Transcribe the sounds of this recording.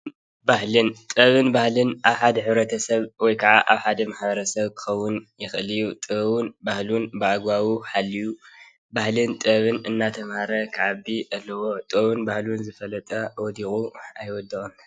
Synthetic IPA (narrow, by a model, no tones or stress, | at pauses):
bahlɨnt̪ʼɐβɨnbahlɨnʔaβħad̪ɐħɨβɾɐt̪ʰɐsɐβwɔjkʰaʕaʔaβħad̪ɐmaħbɐɾɐsɐβkʰɨ̥xɐwːʊnjɪxɨlijut̪ʼɨβunbahlunbɨaɡwawuħalːiju | bahlɨnt̪ʼɐβɨnɨnːat̪ʰɐmhaɾɐkʰɨʕabiʔɐlːɐwo̞t̪ʼɨβunbahlunzɨfɐlɐt̪ʼɐwɔd̪ixʼuajwɔd̪ːɨxʼɨn